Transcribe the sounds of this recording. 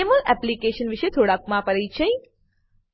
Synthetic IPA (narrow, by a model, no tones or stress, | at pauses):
eməlɛplikeʃənʋiʃet̪ʰoɽakmãpəɾejt͡ʃʰəj